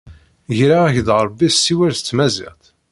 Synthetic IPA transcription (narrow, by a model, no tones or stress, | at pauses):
ʝɾaæçðʁɾˤbːistːiwæɾθt͡sːmæzḭʁθ